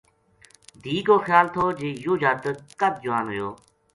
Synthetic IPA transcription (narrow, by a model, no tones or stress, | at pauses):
d̪ʱiːɡoːxjaːlt̪ʰoːd͡ʒeːjoːd͡ʒaːt̪kəd̪̚d͡ʒʊaːnɦojoː